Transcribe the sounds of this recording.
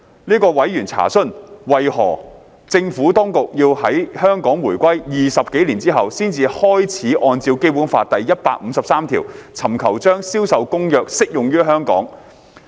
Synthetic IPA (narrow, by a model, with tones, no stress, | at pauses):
niː˥kɔː˧wɐ˨˥jɥyː˨˩nt͡sʰa̰ː˨˩sɵ˥nwɐ˨jhɔ̰ː˨˩ | t͡sɪ˧ŋfuː˨˥t̪ɔː˥ŋkʊ˨k̚jiː˧whɐ˨˥jhœː˥ŋkɔː˨˥ŋwuː˨˩jkʷɐ˥jjiː˨sɐ˨p̚ke˨˥jliː˨˩nt͡siː˥ɦɐ˨wsiː˥nt͡siː˧hɔː˥jt͡sʰiː˨˥ʔɔː˧nt͡siː˧wke˥jpuː˨˥nfaː˧t̪ɐ˨jːɐ˥t̚paː˧k̚m̩˨˧sɐ˨p̚saː˥mt̪ʰḭː˨˩wt͡sʰɐ˨˩mkʰɐ˨˩wt͡ʃœː˥ŋsiː˥wsɐ˨wkʊ˥ŋjœː˨˧k̚sɪ˥k̚jʊ˨ŋjyː˥ɦœː˥ŋkɔ̰ː˨˥ŋ